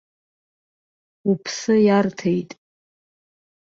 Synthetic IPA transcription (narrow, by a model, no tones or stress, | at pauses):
upʰsɨjartʰejtʼ